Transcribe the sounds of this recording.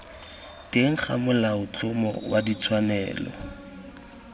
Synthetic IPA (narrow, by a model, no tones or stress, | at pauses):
teŋ̩χʰamʊlaʊt͡ɬʊmɔ̰wadit͡sʰwanɛːlɔ̰